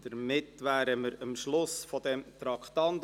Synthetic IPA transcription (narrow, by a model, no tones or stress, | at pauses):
d̥̪əɾmɪt̪ːʋæːɾəməɾəmʃlʊsfɔd̪ɛmt̪ɾɑkχt̪ɑnt̪